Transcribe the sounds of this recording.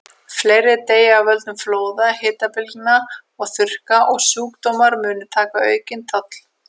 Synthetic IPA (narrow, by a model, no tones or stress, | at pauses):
fleːjɾɪt̪eːjavœlt̪ʏmfloːwðahɪːt̪apɪlknaɔɣθʏr̥kaʔɔɣsuːkt̪owmaɾmʏːnʏt̪ʰaːkaœːɥcɪnt̪ʰœt̪l̥